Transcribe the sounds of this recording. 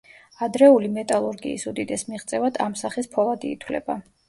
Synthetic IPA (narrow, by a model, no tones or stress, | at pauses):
ad̪ɾɛulimɛt̪ʼalˠuɾɡḭːsud̪id̪ɛsmiʁt̪sʼɛvad̪̥amsaχispʰɔlˠad̪iːt̪ʰwlɛ̰ba